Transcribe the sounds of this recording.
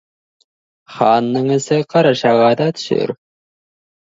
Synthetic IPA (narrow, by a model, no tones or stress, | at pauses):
χɑnːəɴɘ̆sɘqʰɑɾɑʃɑʁɑd̪ɑt̪ʰɵ̥ʃɵ̰ɾ